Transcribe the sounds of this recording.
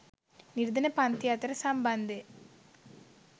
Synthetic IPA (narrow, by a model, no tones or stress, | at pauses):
niɾd̪ɐnɐpant̪jat̪ɾɐsambɐnd̪e